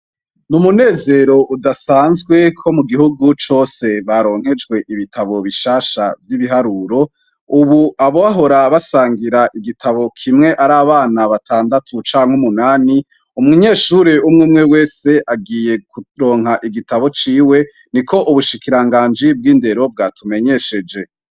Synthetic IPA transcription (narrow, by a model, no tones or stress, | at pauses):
numune̞ːze̞ɾo̞ʔudasaːnzɡwe̞kʰo̞muɡiɦuɡut͡ʃo̞ːse̞βaɾo̞ːŋ̥he̞d͡ʒɡwe̞ʔiβitʰaβo̞βiʃaːʃavjiβiɦaɾuːɾo̞ | uβuaβoaɦo̞ɾaβasaːŋɡiɾaʔiɡitʰaβo̞kʰimŋe̞ʔaɾaːβaːnaβatʰaːndatʰut͡ʃaːŋ̥humunaːni | umŋuɲe̞ːʃuɾeumŋumŋewe̞ːse̞ʔaɡiːje̞kuɾo̞ːŋ̥ɦaʔiɡitaβo̞t͡ʃiːwe̞ | niko̞ʔuβuʃikiɾaŋɡaːnd͡ʒib̚ɡiːnde̞ɾo̞b̚ɡatʰume̞ɲe̞ʃe̞d͡ʒe̞